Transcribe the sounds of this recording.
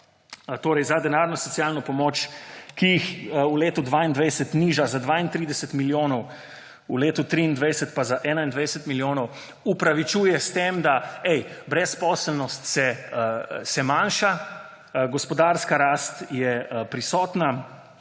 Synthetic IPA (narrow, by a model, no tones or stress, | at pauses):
t̪oːɾɛjzad̪ɛnaɾnɔsɔsijalnɔpɔmoːt͡ʃkijixuleːt̪ud̪ʋaːind̪ʋɛjsɛt̪niːʒazad̪ʋaːint̪ɾiːd̪ɛsɛt̪miljoːnɔw | uleːt̪ut̪ɾiind̪ʋɛjsɛt̪pazaʔɛːnaind̪ʋɛjsɛt̪miljoːnɔw | upɾaʋit͡ʃuːjɛst̪emd̪aɛjbɾɛspɔslnɔst̪sɛ | sɛmãnʃa | ɡɔspɔd̪aɾskaɾaːst̪jɛpɾisɔːt̪na